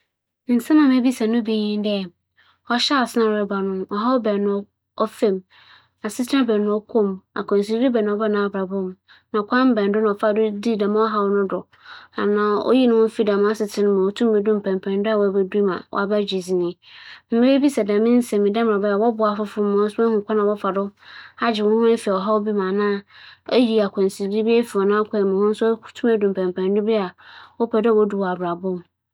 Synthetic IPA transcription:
n̩˨sã˦mã˨mẽ˦bi˦sa˨nʊ̃˦be˨ɲĩ˦n˦dɛ˦˨ | ɔ˦ɕa˦ɔ˨sɪ˦nã˨ɾɾɛ˨ba˨nʊ̃˦mɔ˨ɦa˦wbɛ˨nʊ̃˨˦ | ɔ˦fɛ̃˨m | a˨sɪ˦t͡sʰɪ˦ã˦bɛ˨nʊ̃˨˦ɔ˦kʰõ˦˨ma̰˨kʰɔ̃˨n˨s̬i˦ɾi˦bɛ˨nʊ̃˨ɔ˦ba˦nã˨ɔ˨bɾa˨bʊ̃˦m | nã˨ɔ˨kʷʰã˦m˦bɛ̃˨n˦dʊ˦nã˨ɔ˨fa˦˨dʊ˦di˦˨dã˨mã˦ɔ˦ɦa˦wnʊ̃˦dʊ˨ | a˨nã˨ɔ̰˦ji˦nʊ̃˦wʊ̃˦fi˦dã˨mã˦a˦sɪ˨tʰɪ̃˦nʊ̃˦mã˨ɔ˨tʰũ˦m˦be˨dũ˦m̩˨pʰɛ̃˨m˨pʰɛ̃˨n˦dʊ˦a˦˨wbɛ˨di˦mã̰˨wɔ̰˨a˨ba˦d͡ʑi˨zi˨nɪ̃˨m̩˦mɪ̃˦ɾe˦bi˦sɛ˨dã˨mɪ̃˦n̩˦sɛ̃˨mɪ̃˨dã˦m˨a˨bɛ˦a˨wɔ˦bʊ˨a˨fʊ˦fʊ˦mʊ̃˨˦sʊ˦ã˦hʊ̃˨kʰʷa˦nã˨wɔ˦fa˨dʊ˦ha˦d͡ʑɪ˨wʊ˦nʊ̃˦m˦ã˦fi˨a˨ɔ˨ɦa˦wo˦bi˦mã˨nã˦e˦ji˨a˨kʷʰɔ̃˨n˨si˨di˦bi˦e˦fi˨ɔ˨nãː˦kʷʰa˨mʊ̃˨hʊ̃˦n̩˦sʊ˦tʰũ˦mæ˨dũ˨m˨pʰɛ̃˨mpʰɛ̃˨ndʊ˦bɪ˦a˨wɔ˦pʰɛ˨dwo˦du˨wɔ˨a˨bɾa˨bʊ˦m

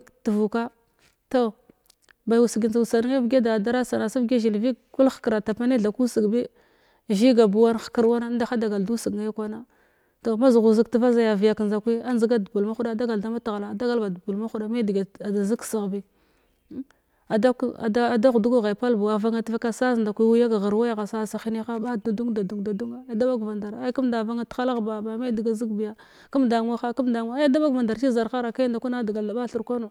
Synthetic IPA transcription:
tə˨vu˨ka˦ | to˨ | ba˨ju˨si˨ɡi˨nza˨u˨sa˨n˦ŋa˦vɡa˦da˨da˦ɾa˦sa˨na˨sa˦vɡe˦ʒi˨lvi˦ku˦lxkɾa˨ta˨pa˦ne˦ɮa˨ku˦si˨ɡbi˦ | ʒi˦ɡa˨bu˨wa˦nxkə˨ɾwa˦na˦da˦xa˦da˨ɡa˨ldu˦si˨kja˦kwa˦na˦ | to˨ma˦zu˨ɣu˨zi˦ktə˨va˦za˦ja˨vi˨ja˨knza˨kʷi˦a˦nzi˦ɡa˦du˨bu˨lma˦xu˦da˦˨da˦ɡa˨lda˦ma˦ta˨ɣla˨da˦ɡa˦lba˨du˨bu˨lma˦xu˦ɗa˨ma˦di˨ɡa˨a˨da˨zi˦ksi˨ɣbi˦ | a˨da˦ka̰˨da˦˨da˦ɣu˨du˦ɡu˦ɣa˨pa˦lbu˨wa˨va˦ŋa˦ti˦va˦ka˦sa˦znda˨kʷi˦wu˦ja˦ɡa˨ɣə˨ɾwa˦jɣa˨sa˦˨sa˨xi˦ni˦xa˦ɓa˦ddu˦ŋda˨du˨ŋda˨du˦ŋa˦a˦da˦ba˦ɡva˨nda˨ɾa˦ku˦mda˨va˦ŋa˦ta˦la˦ɣba˨ba˨ma˦di˨ɡa˨zi˦kbi˨ja˨ | ku˦mda˨ŋ˦a˦xa˦ku˦mda˨ŋʷ˦ja˦da˦ba˦ɡva˨nda˨ɾt͡ʃi˦za˨ɾxa˦ɾa˨ka˦nda˨kʷu˦na˦˨da˨ɡa˨lda˨ɓa˦ɬu˨ɾkʷa˦no˨

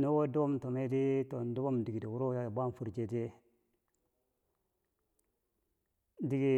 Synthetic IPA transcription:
nu˦wo˦du˦bo˦mto˨me˦di˦to˨n˨du˦bo˦mdi˨i˨di˨wu˦ɾo˦ja˨ba˦n˨fu˨ɾd͡ʒe˨de˦ | di˨ɡi˨

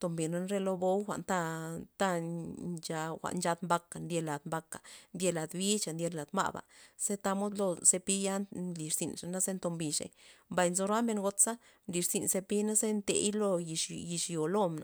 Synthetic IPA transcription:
t̪o˨mbi˨na˧nɾe˦lo˧bo˦wxʷa̰˨ʔnt̪a˧t̪a˦t͡ʃa˧xʷa̰˨ʔnt͡ʃa˧d̪mba˧ka˨nd̪je˧la˨d̪mba˧ka˨nd̪ʲje˧la˨d̪bi˦t͡ʃa˨ndʲe˧la˨d̪ma̰˦˨ba̰˨se˦t̪a˧mo˦d̪lo˧se˧pi˦ja˦nli˨ʂzḭ˨nʂa˨na˦ze˦nt̪o˧mbi˨ʂḛ˨mba˧˨jnzo˧ɾa˦me˧nŋɡo˧t̪sa˦ | nli˨ʂz̥i˨nse˧pi˦na˦ze˦nt̪ḛ˧jlo˧i˧ʃji˨ʂjo˨lo˦mna̰˨

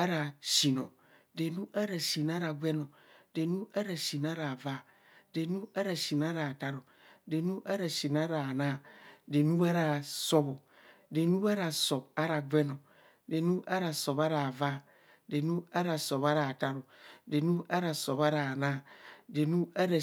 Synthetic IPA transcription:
a˦ɾa˨ʃi˨no˨ | de˨nu˦ʔa˦ɾa˨ʃi˨n˦a˦ɾa˨ɡʷe˦no˨ | de˨nu˦a˦ɾa˨ʃi˨n˦a˦ɾa˨va˦˨ | de˨nu˦a˦ɾa˨ʃi˨n˨a˦ɾa˨ta˦ɾo˨ | de˨nu˦ʔa˦ɾa˨ʃi˨n˨a˦ɾa˨na˦˨de˨nu˦a˦ɾa˨so˦bo˨ | de˨nu˦a˦ɾa˨so˨ba˦ɾa˨ɡʷe˦no˨ | de˨nu˦a˦ɾa˨so˨ba˦ɾa˨va˦˨ | de˨nu˦a˦ɾa˨so˨ba˦ɾa˨ta˦ɾo˨de˨nu˦a˦ɾa˨so˨ba˦ɾa˨na˦˨de˨nu˦a˦ɾa˨

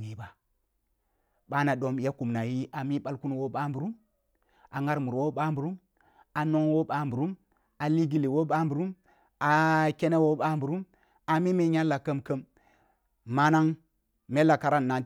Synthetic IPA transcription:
i˦ba˨ | ɓa˦na˨do˦mja˦ku˨mna˨ji˦ʔa˨mi˦ɓa˦lku˦n˨wo˦ɓa˦mbu˨ɾu˦m | ʔa˨ŋa˦ɾmu˨ɾwo˦ɓa˦mbu˨ɾu˦m | a˨no˦ŋwo˦ɓa˦mbu˨ɾu˦m | a˨li˦ɡi˦li˨wo˦ɓa˦mbu˨ɾu˦m | a˨ke˦ne˦wo˦ɓa˦mbu˨ɾu˦m | a˨mi˦me˦ɲa˦lːa˨kə˦mkə˦m | ma˦na˦ŋ | me˦lːa˨ka˨ɾa˦nː˨a˨n

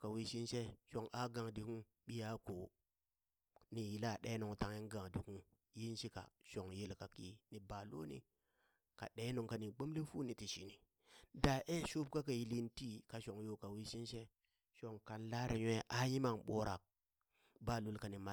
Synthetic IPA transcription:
ka˨wi˦ʃi˦nʃe˦ʃo˨ŋa˨ɡa˨ŋdi˨ku˦ | ɓi˦ja˦ko˨ | ni˨ji˨la˦˨ɗe˦no˨ŋta˨ŋi˦ɡa˨ŋdi˨ku˦ | ji˦nʃi˦ka̰˨ʃo˨ŋje˦lka˨ki˦ni˨ba˨lo̰˦nḭ˦ | ka̰˨ɗe˦no˨ŋka˨ni˨ɡ͡bo˦mle˦fu˦ni˨ti˨ʃi˨ni˨ | da˨ʔe˦ʃu˦b̚ka˦ka˨ji˨˦li˦nti˦ka˨ʃo˨ŋjo˦ka˨wi˦ʃi˦nʃe˦ | ʃo˨ŋka˨nla˦ɾe˨ɲʷ˦e˦ʔa˦ji˦ma˨ŋɓo˦ɾa˨k̚ | ba˦lu˨lka˨ni˨ma˦

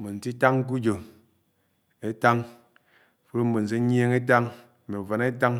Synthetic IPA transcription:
bo˨n̩˨ti˦ta˦ŋ̩˦k̬u˦d͡ʒo˨ | e˦ta˦ŋ˨ | fu˦ɾo˦m̩˦bo˨n̩˨se˦ɲ˦e˦ŋe˦t̬a˦ŋ̩˨ | me˨u˨va˨ne˦ta˦ŋ

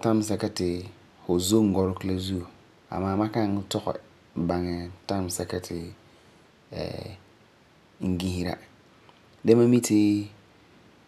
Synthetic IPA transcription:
ta˦m˨˦sɛ˨kɛ˦tɪ˨ | fʊ˨zo˦ŋ̩˨ɡɔ˨ɾʊ˦kla˦zu˦o˨ | a̰˨maː˦ma˦ka˦ŋ˦tɔ˦ɣɛ̰˨ | ba˨ŋɛ˨ta˦m˨sɛ˨kɛ˦tʰɪ˨ | ɛ̰˨ | ŋ̩˦ɡĩ˦hi˦ɾa̰˦˨ | de˦ma˦mi˦tʰɪ˦

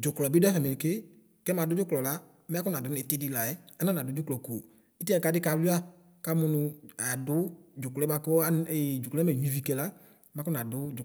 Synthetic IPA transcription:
d͡ʒʊ˨klɔ˨bi˦dɛ˦fɛ˨me˨kɪ˦ | kɛ˦mã˨dʊ˦d͡ʒʊ˦klɔ˨la˦ | mɛ˦kʊ˦nã˨dʊ˦nɛ˨˦te˦di˧la˨ɛ˦a˦nã˦n˨a˨dʊ˦d͡ʒʊ˦klɔ˨ko˨ | i˦tɛ̃˨ka˨˧˦dɪ˦ka˧lu˦a˦ | ka˦mʊ˧nʊ˧a˨dʊ˨˦d͡ʒʊ˨klɛ˦ba˧kɔ˦ɛ˨d͡ʒʊ˨kɛ˦ɛ˨ɲ˨i˨vi˨kɛ˧la˦ | ma˦kʊ˦nã˨dʊ˦d͡ʒʊ˨

